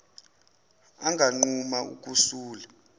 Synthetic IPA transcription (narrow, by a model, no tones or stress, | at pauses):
aŋɡʱaŋ͡ǃumaṵk̬ʼusuːla